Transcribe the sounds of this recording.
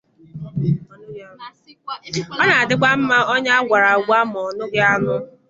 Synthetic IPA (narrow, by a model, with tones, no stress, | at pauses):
ɔ˦na˨a˨dɪ˦kʷa˦m̩˦ma˦ɔ˦ɲa˦a˦ɡʷa˨ɾa˨ɡʷa˦m˨ɔ˨nʊ˦ɡɪ˦a˦nʊ˦